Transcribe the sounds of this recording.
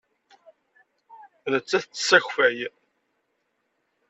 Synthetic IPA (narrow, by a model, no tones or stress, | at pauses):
nət͡sːæθət͡sːsəçfæj